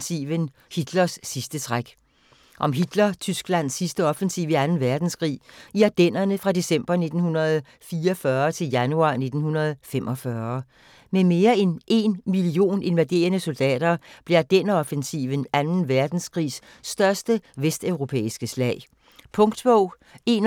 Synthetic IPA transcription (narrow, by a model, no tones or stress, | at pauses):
iən | hid̥lɐsːisd̥ət͡sʰʁaɡ̥ | ʔɒ̽mɦid̥lɐt͡sʰysɡ̥læn̰sːisd̥əɒ̽fensiːʊʋiænn̩ʋæɐd̥n̩skʁḭːiæd̥en̰ɐnəfʁɑ̈d̥e̝sem̰b̥ɐne̝d̥n̩hunɐð̞̩ˠ | fiːɒfɶːɐt͡sʰe̝ljænuɑ̰̈ːne̝d̥n̩hunɐð̞̩ˠfem̰ʔɒ̽fɶːɐ | meme̝ːɐenʔe̝nmilio̝̰ːne̝nʋæd̥e̝̰ːɐnəso̝ld̥ɛ̰ːd̥ɐb̥leɐd̥enəɒ̽fensiʋənænn̩ʋæɐd̥n̩skʰʁḭːsː | d̥ɶɐsd̥əʋesd̥øʊʁo̝pʰḛːisɡ̥əslɛ̰ːɪ | pʰɔ̽ŋd̥sb̥ɔʊ̰ | e̝n